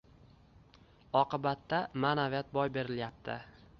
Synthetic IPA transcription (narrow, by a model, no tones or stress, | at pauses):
ɒqɨbat̪ːamaːnavijat̪̚bɒjbe̞ɾɪljap̚t̪ʰɪ